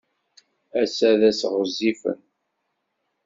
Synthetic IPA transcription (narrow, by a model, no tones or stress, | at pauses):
æsæðæsʁəzːifə̰n